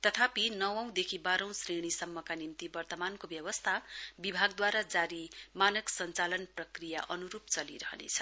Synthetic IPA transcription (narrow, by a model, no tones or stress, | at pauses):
t̪ʌt̪ʰapinʌwʌ̃w̃d̪ekʰibaɾʌ̃w̃sreɽ̃isʌmːʌkanimt̪ibʌrt̪ʌmankobjʌwʌst̪ʰabibʱaɡd̪waɾad͡zaɾimanʌksʌnt͡salʌnprʌkrija̰ʔʌnuɾupt͡sʌlḭɾʌɦʌnḛt͡sʰʌ̥